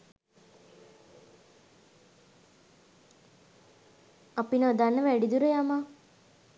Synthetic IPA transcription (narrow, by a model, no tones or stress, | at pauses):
apinəd̪anːəʋæɖid̪uɾəjama